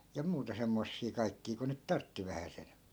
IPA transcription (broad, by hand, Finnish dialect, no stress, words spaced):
jɑ muːtɑ semːosːiː kɑi̯kːiː ku nyt tɑrtːi ʋæhæsen